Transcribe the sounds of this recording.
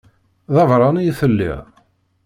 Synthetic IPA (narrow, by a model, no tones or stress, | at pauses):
ðɑvɾˤɑnijθəlːḭʁ